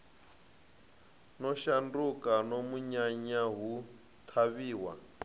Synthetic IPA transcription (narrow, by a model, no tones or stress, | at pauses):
nɔʃandukanomuɲaɲaɦu | t̪ʰaβiːwa̰